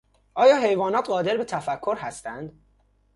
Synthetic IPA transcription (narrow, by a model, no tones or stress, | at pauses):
ʔɒːjɒːɦe̞jvɒːnɒːt̪ɢɒːd̪e̞ɾbe̞t̪ʰæfækʰːo̞ɾhæst̪ænd̪